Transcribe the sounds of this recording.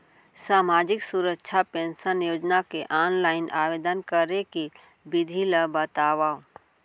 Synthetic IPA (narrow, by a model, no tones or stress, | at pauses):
saːmaːd͡ʒɪksuɾəkːʃʰapẽːnsənjoːd͡ʒnakeʔaːnlaːɪnʔaːʋeːd̪ənkəɾeki | bɪd̪ʱiləbət̪aːʋaːo